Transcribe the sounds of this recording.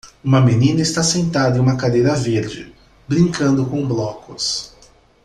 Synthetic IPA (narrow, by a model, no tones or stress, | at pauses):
ũmɐmenĩnɐɪst̪asẽnt̪ad̪ɐẽũmɐkad̪ejɾɐveɾd͡ʒɪ̰ | bɾĩŋkɐ̃nd̪ʊkõblɔkʊs